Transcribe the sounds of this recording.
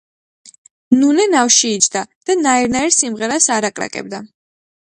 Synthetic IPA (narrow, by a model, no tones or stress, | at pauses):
nunɛnafʃiːt͡ʃʰʼd̪ad̪̥anaiɾnaiɾsimʁɛɾasaɾakʼɾa̰kʼɛ̰b̚d̪a